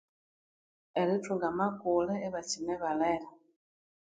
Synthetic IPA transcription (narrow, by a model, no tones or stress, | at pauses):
ɛlituŋɡamakolɛeβat͡ʃimɛβalɛla